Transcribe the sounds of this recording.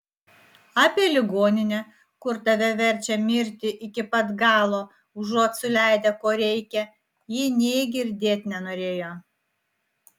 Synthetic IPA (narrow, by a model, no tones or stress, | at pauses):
ɑːpʲeɛlʲɪɡoːnʲɪnʲɛ | kʊɾt̪ɐʋʲɛʋʲɛɾʲt͡ʃʲɛmʲɪɾʲt̪ʲɪʔɪkʲɪpɐt̪ɡɑːlˠoː | ʊʒuɔt̪sʊlʲæˑɪd̪ʲɛkoːɾʲɛɪkʲɛ | jɪnʲeːɡʲɪɾʲd̪ʲeːt̪ʲnʲɛnoːɾʲeːjoː